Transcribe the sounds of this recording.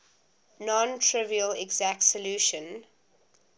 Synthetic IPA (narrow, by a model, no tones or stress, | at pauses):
nɔ̃ntʰɹɪviəlɛɡzæk̚tsəljuʃə̃n